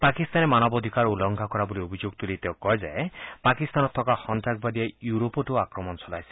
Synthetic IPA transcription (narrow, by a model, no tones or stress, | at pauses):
pakist̪anemanɔbɔd̪ʱikaɾulɔŋɡʱakɔɾaboliobʱid͡ʒoɡ̚t̪ulit̪ewkɔɦed͡ʒa̰epakist̪anɔt̪ʰɔkahɔnt̪ɾak̚bad̪iajuɾopɔʈuakɾɔmɔnɔsɔlajsi̥